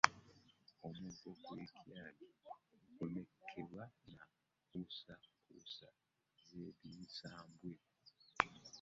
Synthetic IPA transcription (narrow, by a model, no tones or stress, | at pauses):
omutokweːkʰjaːliomekʰːeβwana | kusakʰusa | zeːβiːsaːmbwe